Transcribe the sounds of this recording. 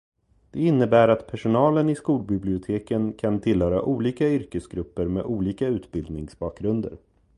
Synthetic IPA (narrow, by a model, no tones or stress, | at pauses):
d̪̥ɛɪnːəbæːɾat̪pʰæʂʊnɑːlənɪskuːlbɪblɪʊt̪ʰeːkənkʰant̪ʰɪlhœːɾaʔuːliːkaʏɾkəsɡɾɵpːəɾmeːʔuːliːkaʉ̟ːt̪bɪld̪nɪŋsbɑːk̚ɡɾɵnd̪ə̰ɾ